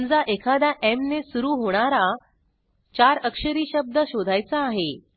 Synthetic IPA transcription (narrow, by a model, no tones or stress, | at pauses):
nd͡zaʔekʰad̪aʔemnesuɾuːɦoɽ̃aɾa | t͡ɕaɾəkʂəɾiːɕəb̚d̪əɕod̪ʱajt͡saːɦe